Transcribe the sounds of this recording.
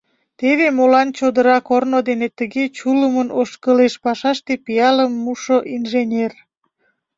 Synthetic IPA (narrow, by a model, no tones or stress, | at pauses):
t̪eβemolɑnt͡ɕod̪əɾɑkornod̪enet̪əɣet͡ɕuləmənoʃkəleʃpɑʃɑʃt̪epijɑləmːuʃoʔinʒenʲer